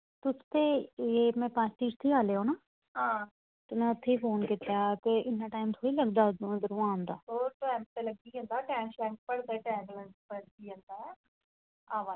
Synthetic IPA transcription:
t̪ʊst̪eːeːmɛ̃ːpãːt͡ʃt̪iːʈt̪ʰiːaːleːõːnaː | ɦãː | t̪ʊnɛ̃ːʊt̪ʰːeːiːpʰoːnkɪt̪jaːkɪɪnːaːʈaːɪmt̪ʰoːiːləɡd̪aːd̪d̪əɾũːãːnd̪aːoːʈaːmt̪eləɡ̚ɡiːɦə̃nd̪aːʈɛ̃ːnʃɛːʈ̚pəɽd̪aːʈɛːblənspəɾd̪iːɦə̃nd̪aːɛː | aːʋaː

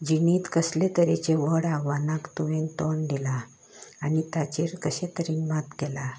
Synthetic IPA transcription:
d͡ʑiniːt̪kəslet̪əɾet͡ɕeʋəɽaʋanakt̪uʋent̪ɔɳɖ̪ilaː | nit̪at͡ɕiɾkəɕet̪əɾiːnmat̪ɡela

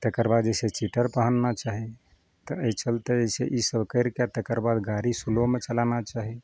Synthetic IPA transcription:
t̪ekəɾbad̪d͡ʒəset͡ʃiʈəɾpəɦənːat͡ʃaɦi | t̪əət͡ʃʰəlt̪eəsḛʔisəbkəɪɾkat̪ekəɾbad̪ɡaɾisulomet͡ʃəlanat͡ʃaɦi

